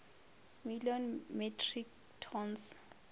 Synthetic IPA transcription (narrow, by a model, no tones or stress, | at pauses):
miljɔnmɛtʰrik | tʰɔns